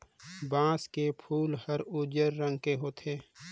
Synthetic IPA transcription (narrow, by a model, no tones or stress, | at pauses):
bãːskepʰuːlhəɾud͡ʒəɾːə̃ŋɡkeɦoːt̪ʰeː